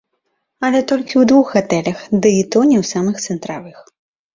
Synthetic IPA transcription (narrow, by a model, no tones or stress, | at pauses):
ɐlʲɛt̪ɔlʲkʲiwd̪vuxɣat̪ɛlʲɐxd̪ɨit̪ɔnʲɛwsamɨxt̪sɛnt̪ɾavɨx